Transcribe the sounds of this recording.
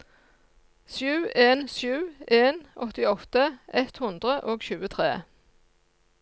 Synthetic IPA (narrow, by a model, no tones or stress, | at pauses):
sjʉːeːnsʉːeːnɔt̪ɪɔt̪əʔɛt̪hʉnd̪ʁəʔoːɡʃʉːət̪ʰʁeː